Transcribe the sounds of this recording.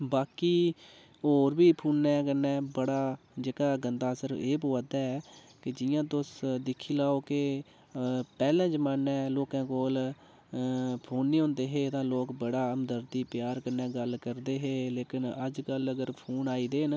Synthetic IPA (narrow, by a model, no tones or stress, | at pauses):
baːkiː | oːɾbiːpʰuːnːɛ̃ːkənːɛːbəɽaː | d͡ʒeːkaːɡənd̪aːsəɾeːpoːad̪aːɛː | kɪd͡ʒɪjãːt̪ʊsd̪ɪkʰːiːlaːoːke | pɛːlɛ̃ːd͡ʒəmaːnɛ̃ːloːkãːkoːl | pʰoːnːiːɦõːnd̪eːɦeːt̪ãːloːkbəɽaːəmd̪əɾt̪iːpjaːɾkənɛ̃ːɡəlkəɾd̪eːɦeːleːkɪnəd͡ʒkələɡəɾpʰoːnaːiːd̪eːn